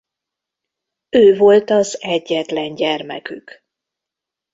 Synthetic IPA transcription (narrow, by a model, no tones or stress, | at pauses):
øːvo̞lt̪ɒzɛɟːɛt̪lɛɲɟɛrmɛ̰kyk